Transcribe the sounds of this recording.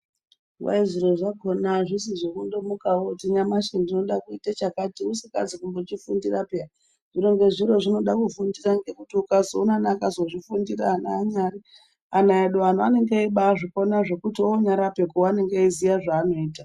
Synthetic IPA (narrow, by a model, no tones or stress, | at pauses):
wa̰iziɾo̞ʐako̞naʐisiʐokundo̞mukawotiɲamaʃendino̞ɗakuitat͡ʃakatiusika̰d͡zikumbo̞t͡ʃifundirapea | ʐ̥iro̞ŋɡe̞ʐiɾo̞ʐino̞ɗakufundiraŋɡe̞kutiukazounanakazo̞ʐifundiraːnaːɲari | anaeɗoan̤uane̞ŋɡeaiɓaʐikonaʐe̞kutioɲaɾape̞kuwane̞ŋɡaizijaʐaːno̞iːta